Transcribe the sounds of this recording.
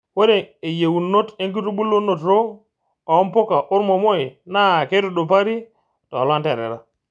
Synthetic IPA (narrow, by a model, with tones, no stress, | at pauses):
wo˦ɾe˨e˨je˨wu˨nːo˦te˦ŋk̬i˦ɾu˦ɓu˦lːo˦nːo˨tɾo˦ | a˨o˦mpo˦ka˨ʔo˦ɾmo˨mo˦e˨na˦˨ke˦ɾu˨ɗo˨pa˦ɾi˦ | to˨lwa˦nte˨ɾḛ˨ɾa˦